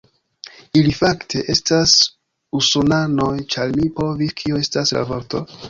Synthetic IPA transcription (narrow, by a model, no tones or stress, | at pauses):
ilifaktʰe̞ʔe̞stas | usonano̞jt͡ʃaɾmipo̞viskʰioe̞stasɾa̰voɾto̞̰